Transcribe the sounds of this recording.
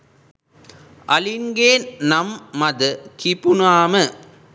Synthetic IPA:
ʔɐliŋɡeːnnɐmːɐd̪ɯkipunaːmɯ

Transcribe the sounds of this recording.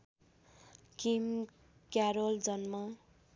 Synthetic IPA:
kim | kjaɾold͡zʌnmʌ

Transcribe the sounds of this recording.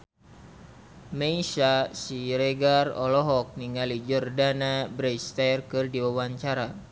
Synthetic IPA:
meisasiɾeɡarɔ̰lɔɦɔk̚niŋalid͡ʒərdanabɾɛjst̪ajrkɨrdiwawaɲt͡ʃaɾa

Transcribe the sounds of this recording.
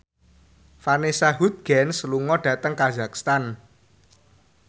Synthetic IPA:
fanesaɦud̪̚ɡ̥ɛ̤nsluŋɔɖ̥ä̤t̪əŋkaza̤kst̪an

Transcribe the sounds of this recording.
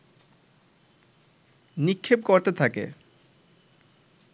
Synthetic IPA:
nikʰːepkoɾt̪et̪ʰakḛ

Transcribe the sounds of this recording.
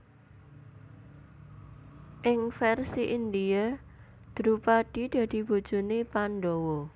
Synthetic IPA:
ʔɪŋfɛrsiʔind̪ia | d̪̥ɾupaɖ̥i̤d̪̥ä̤d̪̥i̤b̥ṳd̥d͡ʒ̥ṳnepanɖowɔ

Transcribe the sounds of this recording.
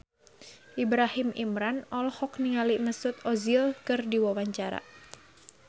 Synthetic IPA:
ʔibɾahimimɾanɔlhɔk̚niŋaliʔməsʊt̪̚ɔzilkɨrdiwawaɲt͡ʃaɾa̰

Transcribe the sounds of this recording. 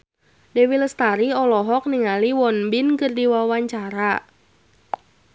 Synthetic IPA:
dewiləst̪aɾiɔlɔɦɔk̚niŋaliwɔnbɪnkɨrdiwawaɲt͡ʃaɾa

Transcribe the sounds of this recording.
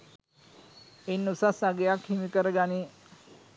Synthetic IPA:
enːusasaɡejakhimikəɾəɡani

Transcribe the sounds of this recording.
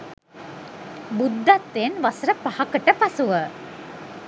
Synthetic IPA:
bud̪ːat̪ːenʋasɾəpahakəʈəpasuʋə

